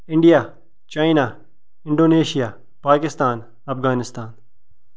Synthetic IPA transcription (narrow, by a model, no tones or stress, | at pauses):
ɪ̃ɳɖijaː | t͡ʃaːinaː | ɪ̃ɳɖoːneːʃijaː | paːkɪst̪aːn | ɐpɡaːnɪst̪aːn